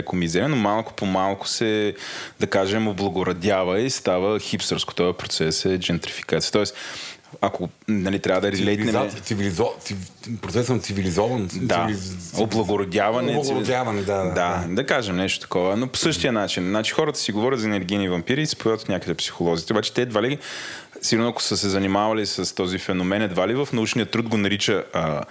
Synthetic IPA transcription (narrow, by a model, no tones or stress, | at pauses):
komizɛɾɛnomalˠkʊ̥pomalˠkʊ̥sɛd̪ɐkaʒɛmoblˠɐɡʊɾɐd̪ʲavɐist̪avəxipsəɾsko̥t̪ɔvɐpɾot̪sɛsɛd͡ʒɛnt̪ɾifi̥kat̪siə̥t̪ɔɛs | ɐkonɐlit̪ɾʲavəd̪ɐɾilɛt̪nɛɛivilizɔ | pɾot̪sɛsənt̪sivilizɔvɐnd̪aoblˠɐbɡoɾod̪ʲavɐnɛɾʲavɐnɛd̪ad̪ad̪ɐkaʒɛmnɛʃt̪o̥t̪ɐ̥kɔvənopo̥sɤʃt̪ijənat͡ʃinːnat͡ʃi̥xɔɾət̪ə̥siɡovɔɾɛət̪zɐɛnɛɾɡʲijnivɐmpiɾiːspojat̪onʲakəd̪ɛpsi̥xolˠɔzit̪ɛobat͡ʃɛ̥t̪ɛd̪vali | siɡoɾnoɐkʊ̥səsɛzɐnimavɐlisɐst̪ɔzifɛnomɛnɛd̪valivɐfnɐut͡ʃniət̪ɾud̪ɡonɐɾit͡ʃə